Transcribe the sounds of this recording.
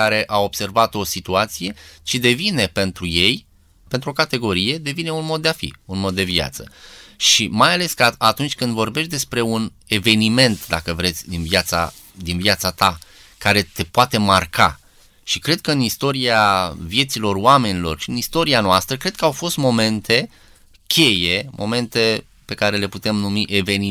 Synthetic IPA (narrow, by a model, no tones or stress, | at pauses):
aɾe̞ʔao̞b̥se̞rvat̪o̞sit̪uat̪sije̞t͡ʃid̪e̞vine̞pe̞nt̪ɾuje̞j | pent̪ɾuo̞kat̪e̞ɡo̞ɾije̞d̪e̞vine̞unmo̞d̪̚ːeafḭunmo̞d̪ːe̞via̰t̪sə̰ʃimajale̞skaat̪unt͡ʃʲkɨnd̪vo̞rbe̞ʃt̪d̪e̞spɾe̞un | e̞ve̞nime̞nt̪d̪akəvɾe̞t̪sʲd̪invjat̪sa̰ | d̪invjat̪sat̪a | kaɾe̞t̪e̞poat̪e̞marka̰ | ʃikɾe̞d̪̚kəɨnist̪o̞ɾiavje̞t̪silo̞roame̞nilo̞̰rʃiɨnist̪o̞ɾianoast̪ɾəkɾe̞d̪̥̚kəawfo̞st̪mo̞me̞nt̪ʰe̞ | kʲʰe̞je̞mʔo̞̰me̞nt̪e̞ | pe̞kaɾe̞le̞put̪e̞mnumiʔe̞ve̞ni